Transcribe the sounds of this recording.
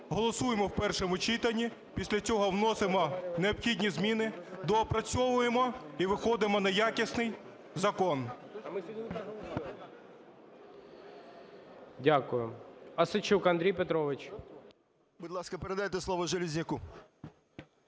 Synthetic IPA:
ɦɔlˠɔsujemɔwpɛrʃɔmʊt͡ʃit̪ɐnʲːi | pʲisʲlʲɐt͡sʲɔɦɔwnɔsɪmɔneɔbxʲidʲnʲizmʲinɪd̪ɔːpɾɐt͡sʲɔʋʊjemɔiʋɪxɔd̪ɪmɔnɐjakʲisnɪj | zɐkɔn | dʲakʊjʊɐsɪt͡ʃukɐnd̪ɾʲijpet̪ɾɔʋɪt͡ʃ | bud̪lˠɑskɐpeɾed̪ɐjet̪ɛslˠɔʋɔʒelʲizʲnʲɪku

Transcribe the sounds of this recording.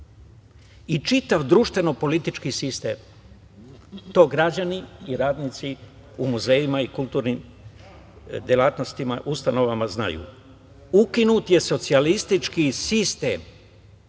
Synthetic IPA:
it͡ʃit̪aʋd̪ɾuːʃt̪ʋe̞no̞po̞lit̪it͡ʃkisist̪ḛːm | t̪o̞ːɡɾad͡ʑaniiɾaːd̪nit̪si | umuze̞ːjimaikulˠt̪uːɾnim | d̪jelat̪no̞st̪ima̰ʔust̪ano̞ʋamazna̰jṵː | ukinut̪je̞so̞t̪sialist̪it͡ʃkisist̪ḛːm

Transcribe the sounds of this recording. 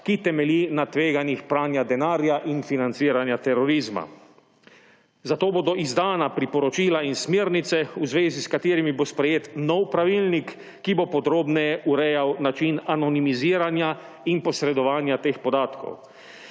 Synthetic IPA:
kit̪ɛmɛlinat̪ʋeːɡanixpɾaːnjad̪ɛnaːɾjaʔinfinant̪siːɾanjat̪ɛɾɔɾiːzma̰ | zat̪oːboːd̪ɔʔizd̪aːnapɾipɔɾɔt͡ʃiːlainsmeːɾnit̪sɛuzʋeːziskat̪iːɾimibospɾɛjeːt̪nɔwpɾaʋilnikː | ibopɔd̪ɾoːbnɛjɛʔuɾɛjawnat͡ʃinanɔnimiziːɾanja | inpɔsɾɛd̪ɔʋaːnjat̪eːxpɔd̪aːt̪kɔ̰w

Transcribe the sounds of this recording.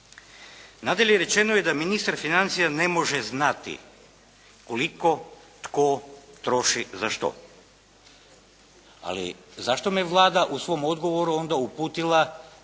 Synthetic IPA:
nad̪eleɾe̞t͡ʃe̞nojed̪aminist̪aɾfinant̪sijane̞mo̞ʒeznat̪ḭ | ko̞liko̞ | t̪kot̪ɾo̞ʃizaʃt̪o̰ | a̰lḭzaʃt̪omijeʋlˠaːd̪aʔusʋo̞mo̞d̪ɡo̞ʋo̞ɾuo̞nd̪aupuːt̪ilˠa

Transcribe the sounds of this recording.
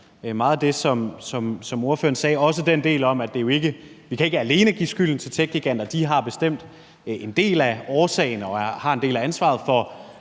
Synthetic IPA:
mɑ̈ːðˠd̥e̝sɒ̽msɒ̽msɒ̽mo̝ɐfø̰ːɐn̩sɛːɒ̽səd̥end̥e̝̰ːlɒ̽mæd̥e̝jo̝e̝ɡ̥əʋikʰæe̝ɡ̥əæle̝ːnəɡ̥ḭːsɡ̥yl̰n̩t͡sʰe̝lt͡sʰeɡ̥̚ɡiɡ̥æn̰d̥ɐd̥iɦɑ̈b̥e̝sd̥em̰d̥ | e̝nd̥e̝̰ːlæɒːsɛ̰ɪnɒ̽hɑ̈ende̝̰ːlæænsʋɑ̰̈ð̞̩ˠfɒ

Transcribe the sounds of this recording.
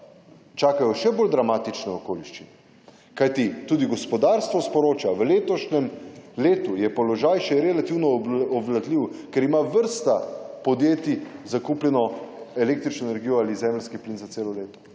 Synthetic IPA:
t͡ʃaːkajɔʃɛboːld̪ɾamaːt̪it͡ʃnɛɔkoːliʃt͡ʃin | kajt̪it̪uːd̪iɡɔspɔd̪aɾst̪ʋɔspɔɾoːt͡ʃaʋəleːt̪ɔʃnɛmleːt̪ujɛpɔlɔʒajʃɛɾɛlat̪iwnɔɔʋlad̪liwkɛɾimaʋəɾst̪apɔd̪jeːt̪izakupljɛnɔelek̚t̪ɾit͡ʃnɔenɛɾɡiːjɔaːlizɛːmlskipliːnzatseːlɔleːt̪ɔ̥

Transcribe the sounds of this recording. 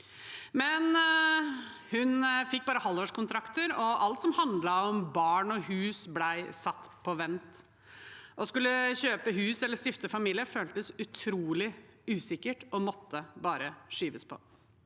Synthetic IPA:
mɛn | hʉnfɪk̚ːbɑːɾəhɑlːoːʂkʰʊnt̪ʰɾɑkt̪əɾɔʔɑlt̪sɔmhɑnd̪lɑɔmbɑːɳɔhʉːsblæɪsɑt̪ːpʰɔʋɛnt̪ | ʔɔskʉlːəɕøːpəɦʉːsɛlːəʂt̪ɪft̪əfɑmiːlɪəføːlt̪əsʉt̪ʰɾuːlɪʉːsɪkəʈɔmɔt̪ːəbɑːɾəʂyːʋəspʰɔ̰

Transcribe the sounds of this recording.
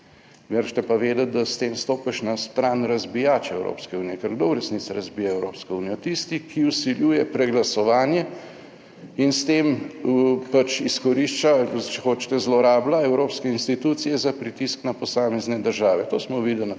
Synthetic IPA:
məɾʃt̪ɛpaʋeːd̪at̪̚d̪ast̪eːmst̪oːpɛʃnast̪ɾaːnɾɐzbijaːt͡ʃɛɛwɾo̰ːpskɛuːnijɛkɛɾɡd̪oɾɛsnit̪saɾɐzbiːjaɛwɾoːpskɔuːnijɔt̪ist̪ikiusiljuːjɛpɾɛɡlasɔʋaːnjɛ | inst̪eːməpat͡ʃiskɔɾiʃt͡ʃat͡ʃɛxoːt͡ʃt̪ɛzlɔɾaːblaɛwɾoːpskɛinst̪it̪uːt̪sijɛzapɾit̪isknapɔsaːmɛznɛd̪əɾʒaːʋɛt̪oːsmɔʋiːd̪əl

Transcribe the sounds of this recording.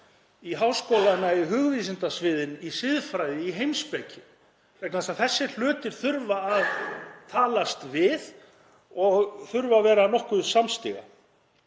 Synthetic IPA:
iɦawskoːwlanaiɦʏɣviːs̬ɪnt̪asvɪːðɪnisɪðfɾajðɪiɦejmspɛcɪ | t̪ɛk̪naasaθɛsːɪl̥ʏːt̪ɪɾ̥θʏɾvaːðt̪ʰaːlast̪vɪð | ɔɣθʏɾvavɛːɾanɔhkʏsamst̪ɪ̰ɣa̰

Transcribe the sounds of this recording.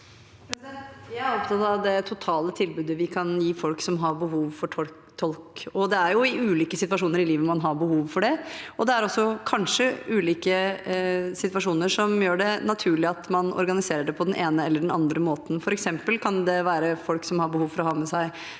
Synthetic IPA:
ɾsɛntt̪jææɾɔpt̪ɑt̪ːɑd̪ɛt̪ʰʊt̪ʰɑːlət̪ʰɪlbʉːd̪əʋɪkʰɑnjiːfɔlksɔmɦɑɾbəɦuːʋfɔʈʰɔ | t̪ʰɔlkɔd̪ɛæɾjʊɪʉːliːkəsɪt̪ʋɑʂuːnəɾɪliːʋəmɑnɦɑɾbəhuːʋfɔɖɛɔd̪ɛæɾɔsːɔkʰɑnʂəʉːliːkə | sɪt̪ʋɑʂuːnəʂɔmjøːɖɛnɑt̪ʰʉːɭlɪɑt̪mɑnɔ̰ɾɡɑnɪseːɾəɖɛpʰɔd̪ɛnʔeːnəɛlːəɖɛnɑnd̪ɾəmoːt̪n̩fɔɾɛksɛmpəlkʰɑnd̪ɛʋæːɾəfɔlksɔmhɑɾbəhuːʋfɔɾɔhɑːmɛsæɪ

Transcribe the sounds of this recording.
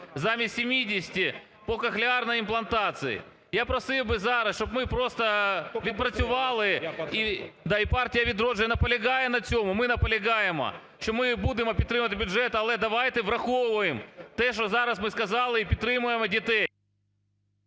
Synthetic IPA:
zamʲɪsʲɪmʲidʲɪsʲɪ̥tʲɪ | pokɐxlʲɪarnəjɪmplˠɐnt̪at̪sɨjɪ̰ | japɾɐsɨbɨzaɾɐsʃt̪opmɨpɾo̞st̪əvʲɪt̪̚pɾɐsʲʊvɑlˠɨid̪aɪpartʲɪjəvʲɪd̪ɾoʐɨjənɐpəlʲɪɡajənɐt̪sʲomʊmɨnɐpəlʲɪɡajɪmɐ̰ | ɕomɨbud̪ʲɪmɐpʲɪt̪ɾɨmət̪ʲbʲʊʐɛt̪ɐɐlˠɛd̪ɐʋajt̪ɨvɾɐxoʊvəjɪmt̪ɛʂozaɾɐsmɨskɐzalˠɨipʲɪt̪ɾɨmɐjɪmɐdʲɪt̪ɛ

